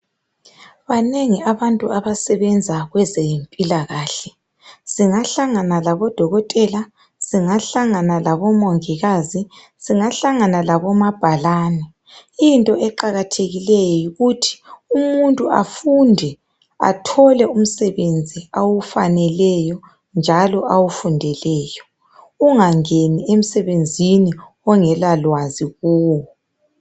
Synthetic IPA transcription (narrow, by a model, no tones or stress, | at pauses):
βaneŋiaβantʼuaβasɛβɛnd͡zʱaɣwɛzejimpʼilaɣaːɬɛ | z̥iŋaɬaŋanalaβɔd̥ʱɔɣɔtʼɛla | z̥iŋaɬaŋanalaβɔmoŋiɣazi | z̥iŋaɬaŋanalaβɔmab̥ʱalaːnɛ | intʼɔʔɛǃaɣatʰeɣilɛjɔjiɣutʰi̥umuntʼua̰fundʱɛ | a̰tʰɔlɛum̩sɛβend͡zʱiawufanɛlɛjɔ | nd͡ʒʱalɔʔawufundʱɛlɛːjɔ | uŋaŋeniem̩sɛβend͡zʱini | ɔŋɛlalwaziɣɔːwɔ